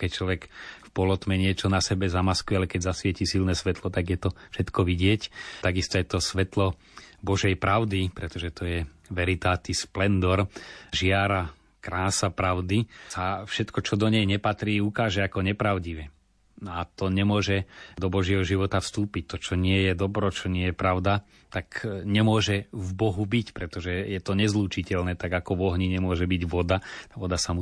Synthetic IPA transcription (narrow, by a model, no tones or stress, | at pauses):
kɛc̚t͡ʃlɔʋɛkfpɔlɔt̪mɛɲɪɛt͡ʃɔnasɛbɛzamaskujɛalɛkɛɟzasʋɪɛcisilnɛsʋɛt̪lɔt̪aɡjɛt̪ɔfʃɛt̪kɔʋiɟɪɛct̪aɡist̪ɔjɛt̪ɔsʋɛt̪lɔ | bɔʒɛjpɾaʊd̪ipɾɛt̪ɔʒɛt̪ɔjɛ | ʋɛɾit̪aːt̪iːsplɛnd̪ɔɾʒɪaɾa | kɾaːsapɾaʊd̪isafʃɛt̪kɔt͡ʃɔd̪ɔɲɛjɲɛpat̪ɾiːukaːʒɛakɔɲɛpɾaʊɟiʋɛ | nɔat̪ɔɲɛmʊɔʒɛd̪ɔbɔʒɪɛɦɔʒiʋɔt̪afst̪uːpic̚t̪ɔt͡ʃɔɲɪɛjɛd̪ɔbɾɔt͡ʃɔɲɪɛjɛpɾaʊd̪a | t̪akɲɛmʊɔʒɛvbɔɦubicpɾɛt̪ɔʒɛjɛt̪ɔɲɛzluːt͡ʃicɛʎnɛːt̪aɡakɔʋɔɦɲiɲɛmʊɔʒɛbiɟʋɔd̪at̪aʋɔd̪asamu